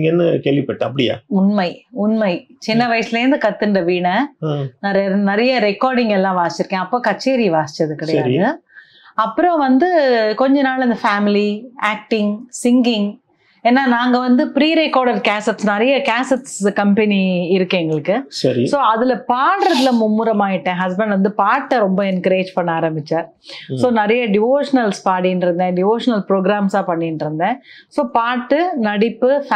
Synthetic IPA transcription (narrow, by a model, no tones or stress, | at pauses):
ŋɡɛnːɯkeːɭʋɪpːɐʈːɯɐpːɐɽɪja̰ːʊnmɐɪʊnmɐɪ | t͡ʃɪnːɐʋɐjɐsɪleɾnd̪ɯkɐt̪ːɯɳɖɐʋiːɳɐnɐɾɐjɐnɐɾɐjɐɾɛkːaːɾɖɪŋɡɛlːãːʋaːsɪt͡ʃːɪɾɯkːẽːɐpːoːkɐt͡ʃːeːɾiʋaːsɪ̥t͡ʃːɐðɯkɪɽɐjaaːðɯ | ɐpːɯɾɔ̃ʋɐnd̪ɯkɔɲd͡ʒɐnaːlɐnd̪ɐfaːmɪliaːk̚ʈɪŋsɪŋɡɪŋ | eːnːaːnaːŋɡɐʋɐnd̪ɯpɾiːɾɛkːaːɾɽɐɾkaːsɛʈsnɐɾɐjɐkaːsɛʈskɐmpɛniɪɾɯkːeːŋɡɐɭɯkːɯsɐɾ̰soːɐðɪlɐpaːɽɾɐðɪlɐmʊmːɯɾɐmaːjɪʈːẽːɦɐs̬bɛɳɖʋɐnd̪ɯpaːʈːɐɾɔmbɐɪnɐkːɾeːd͡ʒpɐɳːaːɾɐmbɪt͡ʃːaːɾ | soːnɐɾɐjɐɖɪʋoːʂɐnɐlspaːɽɪjɪnɖɪɾɯnd̪ẽːɖɪʋoːʂɐnɐlpɾoːɡɾaːmsaːpɐɳːɪnɪɾɯnd̪ẽːsoːpaːʈːɯnɐɽɪpːɯf